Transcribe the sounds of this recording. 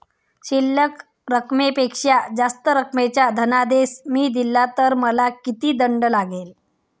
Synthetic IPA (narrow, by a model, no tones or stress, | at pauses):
ɕilːək | ɾəkmepekʂad͡zast̪əɾəkmet͡ɕjad̪ʱənad̪esmiːd̪ilːat̪əɾməlakit̪iːd̪əɳɖlaɡel